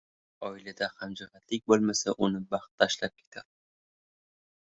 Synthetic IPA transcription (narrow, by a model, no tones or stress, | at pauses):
ɒɪlad̪ahamd͡ʒɪʁat̪ʰlɪk̚ʲbolˠmasaʔʊnɪbɑχt̪ʰːaʃlap̚kʲʰe̥t̪ʰaɾ